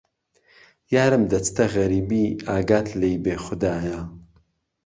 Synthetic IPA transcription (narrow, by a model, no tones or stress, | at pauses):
jaːɾɨmd̪ɐt͡st̪ʰɐɣɐɾiːbiːaːɡaːt̪ʰlejbeːxʊd̪aːja